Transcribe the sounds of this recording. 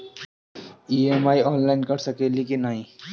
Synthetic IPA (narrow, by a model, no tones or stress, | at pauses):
iemaːiɔːnlaːɪnkɐɾsəkelikinːaːɦĩ